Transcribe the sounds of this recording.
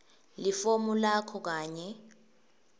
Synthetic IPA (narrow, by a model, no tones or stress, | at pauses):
lifomulakʰɔk̬aːɲɛ